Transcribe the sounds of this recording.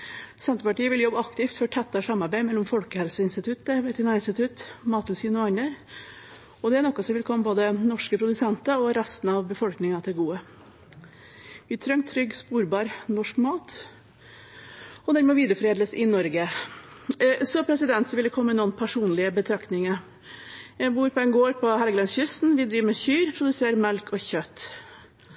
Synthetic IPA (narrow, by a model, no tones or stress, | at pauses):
sɛnt̪ɾəpɑʈiːəʋɪljɔbːəɑkt̪ɪft̪fɔʈʰɛt̪ːɑʂɑmːɑɾbæɪmɛlːɔmfɔlkəhɛlsəɪnst̪ɪt̪ʰʉt̪ːəʋɛt̪ʰɪnæɪnst̪ɪt̪ʰʉt̪mɑːt̪lsiːnʊɑnəɾ | ɔd̪ɛæɳɔkːɑsɔmʋɪlkʰɔmːəboːd̪ənɔʂkəpʰɾʊd̪ʉsɛnt̪əɔɾæst̪n̩ɑʋbəfɔlknɪŋɑt̪ʰɛɡuːə | ʋɪt̪ʰɾœŋt̪ʰːɾʏɡspuːɾbɑːɾnɔʂkmɑːt̪ | ɔd̪æːɾmeːʋiːd̪ɾəfɔɾeːd̪ləsɪnɔɾɡə | sɔpʰɾɛsɪd̪ɛnt̪sɔʋɪld̪ɛkʰɔmːəənɔːənpʰæʂuːnlɪəbət̪ʰɾɑkt̪nɪŋə | jæɪbuːɾpʰɔɛnɡoːɾpʰɔhɛlɡəlɑnsçʏst̪nʋɪd̪ɾiːʋmɛçyːɾpʰɾʊd̪ʉseːɾmɛlkʰɔçœt̪ː